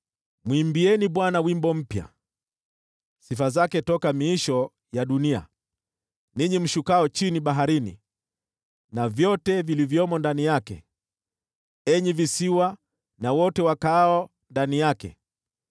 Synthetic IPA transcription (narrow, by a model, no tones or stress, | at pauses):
mwimbiɛniɓwanawimbɔm̩pja̰ | sifazakɛtɔkamiːʃɔ | jaɗunia̰ | niɲim̩ʃukaɔt͡ʃiniɓaɦaɾinḭ | navjɔtɛvilivjɔmɔndanijakɛ̰ | ɛɲivisiwa | nawɔtɛwakaɔ | ndanijakɛ̰